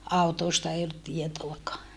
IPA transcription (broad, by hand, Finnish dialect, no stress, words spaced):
ɑutoːstɑ ei olːut tietoɑkɑː